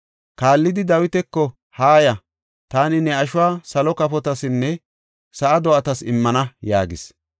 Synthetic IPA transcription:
kaːlːɪd̪ɪd̪ɐwɪt̪ɛkːɔ | haːjɐ | t̪aːnɪnɛɐʃʊwaːsɐlɔkɐfɔt̪ɐsɪnːɛ | sɐʔɐd̪ɔʔɐt̪ɐsɪmːɐnɐja̰ːɡɪ̰s

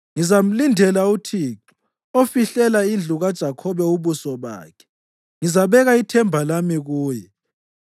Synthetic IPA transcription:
ŋizam̩lindʱɛlautʰiːǁu̥ | ofiɬɛlaind͡ɮʱuɣad̥ʒ̥ʱakʰɔβɛuβusɔβa̰ːkʰɛ̥ | ŋizaβɛɣaitʰɛmbʱalamiɣuːjɛ

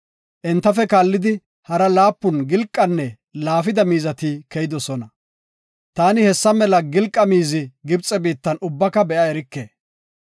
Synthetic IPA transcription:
ʔɛnt̪ːɐfɛkaːlːɪd̪ɪ | hɐɾɐlaːpːʊnɡɪlkʼːɐnːɛ | laːfɪd̪ɐmiːzɐt̪ɪkɛjɪd̪ɔsɔnɐ | t̪aːnɪhɛsːɐmɛlɐɡɪlkʼːɐmiːzɪɡɪbt͡sʼːɛbiːt̪ːɐnʊbːɐkːɐbɛʔɐɛɾɪkːeː

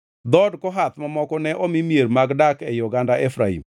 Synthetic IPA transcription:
d̪ɔdkɔɦat̪mamɔkɔnɛʔomimjeɾmaɡdakɛjɔɡandaʔefɾaḭm

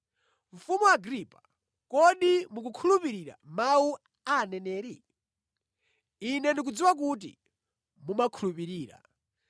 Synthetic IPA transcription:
ɱ̩fumuwaɡɾipḁ | kɔɗimuk̬ukʰulupiɾiɾa̰mau | anɛnɛːɾi | inɛndik̬ud͡ziwak̬ut̬ḭ | mumakʰulupiɾiːɾa̰

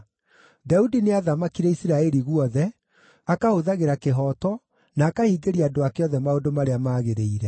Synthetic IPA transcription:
daudineaðamakiɾɛisiɾaɛɾiɣwɔðɛ | akahoðaɣeɾakeɦɔːtɔ | naːkahiːɡeɾiaːdoakeɔðɛmaondomaɾeamaːɣeɾeiɾɛ

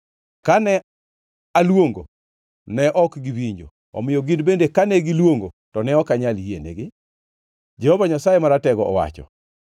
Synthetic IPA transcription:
kanɛ | alwoŋɡo | nɛʔɔkɡɪwiɲd͡ʒo̰ | ɔ̰mɪjoɡindbendekanɛɡɪlwoŋɡo | tɔnɛɔkaɲaljienḛɡɪ | d͡ʒɛhɔvaɲasajemaɾatɛɡɔʔɔwa̰t͡ʃɔ̰

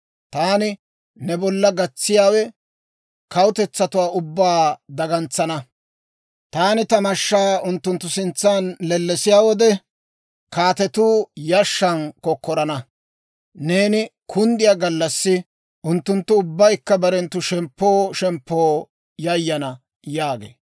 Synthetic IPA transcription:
t̪aːnɪ | nɛbɔlːɐɡɐt͡sːɪjaːwɛ | kɐwʊt̪ɛt͡sːɐt̪ʊwaːʔʊbːaːd̪ɐɡɐnt͡sːɐnɐ | t̪aːnɪt̪ɐmɐʃːaːʊnt̪ːʊnt̪ːʊsɪnt͡sːaːnlɛlːɛsɪjaːwɔd̪ɛ | kaːt̪ɛt̪uːjɐʃːɐnkɔkːɔɾɐnɐ | ne̞ːnɪkʰʊnd̪ɪjaːɡɐlːɐsːɪ | ʔʊnt̪ːʊnt̪ːʊʊbːɐjkːɐbɐɾɛnt̪ːʊʃɛmpːo̞ːʃɛmpːoː | jɐjːɐnɐ | jaːɡḛː

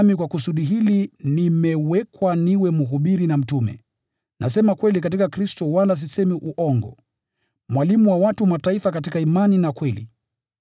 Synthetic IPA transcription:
mikwakusuɗiɦilinimɛwɛkwaniwɛmuɦuɓiɾinam̩tumɛ̰ | nʔa̰s̬ɛmakwɛlik̬at̬ikakɾistɔwalas̬isɛmiʔuʔɔŋɡɔ̰ | mwalimuwawatumataifakatikaimaninakwɛlḭ

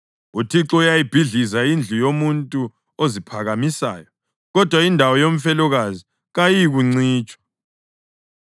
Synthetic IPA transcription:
utʰiǁɔujajib̥ʱiɮizaind͡ɮʱujomuntʼu | ozipʰaɣamisa̰ːjɔ | ɣɔd̥ʱwaindʱawɔjom̩fɛlɔɣazi | ɣajiɣuŋ͡ǀiːt͡ʃʼwḁ

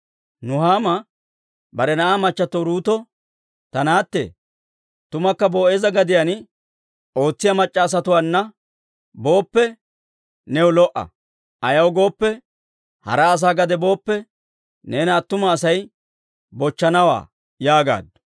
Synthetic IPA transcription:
nʊɦaːmɐ | bɐɾɛnɐʔaːmɐt͡ʃːɐt̪ɔɾuːt̪ɔ | t̪ɐnaːt̪ːḛ | t̪ʊmɐkːɐboːʔeːzɐɡɐd̪ɪjɐn | o̞ːt͡sːɪjɐmɐt͡ʃʼːɐːs̬ɐt̪ʊwaːnːɐ | bo̞ːpːɛ | nɛwlɔʔɐ̰ | ʔɐjɐwɡo̞ːpːɛ | hɐ̰ɾɐːs̬aːɡɐd̪ɛbo̞ːpːɛ | neːnɐt̪ːʊmɐːsɐj | bɔt͡ʃːɐnɐwa̰ː | jaːɡa̰ːd̪ːɔ̥

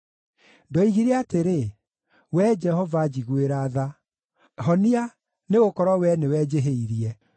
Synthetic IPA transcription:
ndɔiɣiɾeateɾe | wɛd͡ʒɛhɔvad͡ʑiɣweɾaða | ɦɔnia | neɣokɔɾɔwɛnewɛd͡ʑeɦeiɾiɛ

